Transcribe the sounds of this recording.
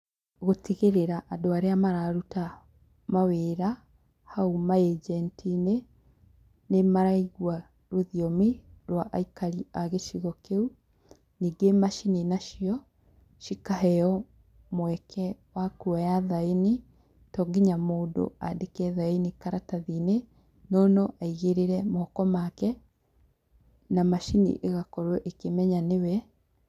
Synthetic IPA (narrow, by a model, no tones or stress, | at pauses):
ɣotiɣeɾeɾaʔadoaɾeamaɾaɾuta | maweːɾa | haumaed͡ʒɛntʰine | nemaɾaiɣwa | ɾoðiomiɾwaʔaikaɾiaɣeʃiɣɔkeu | niːɡemaʃininaʃiɔ | ʃikaɦɛɔ | mwɛkʰɛwakuajaðaini | tɔːɡiɲamoːdo̰adekɛðainikaɾataðine | nɔnɔʔaiɣeɾeɾɛmɔɔkɔmakɛ | namaʃinḭʔeɣakɔɾwɛʔekemɛɲanewɛ